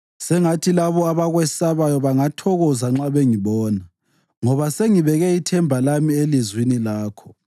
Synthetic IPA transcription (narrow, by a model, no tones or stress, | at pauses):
sɛŋatʰilaβɔaβaɣwɛsaβajɔβaŋatʰɔɣɔzaŋ͡ǁaβeŋiβɔːna | ŋɔβaseŋiβɛɣɛitʰɛmbʱalamielizwinilaːkʰɔ̥